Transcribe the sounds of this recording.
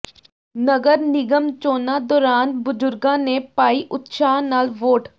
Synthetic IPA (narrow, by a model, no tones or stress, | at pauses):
nəɡəɾnɪɡəmt͡ʃoːnad̪ɔːɾaːnbʊd͡ʒʊɾɡãːnepaːiʔʊt̪ʃaːnaːlʋoːʈ